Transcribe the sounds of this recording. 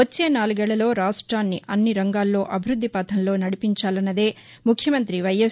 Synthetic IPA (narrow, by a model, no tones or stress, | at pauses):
ot͡ʃːe̞ːnaːluɡɛːɭːɐlo̞ːɾaːʂʈɾaːnːiʔɐnːiɾɐŋɡaːlːo̞ːʔɐbʱiɾud̪ʱːipɐt̪ʰɐnlo̞ːnɐɽipiɲt͡ʃaːlɐnːɐd̪e̞ː | mukʰjɐmɐnt̪ɾiʋɐjes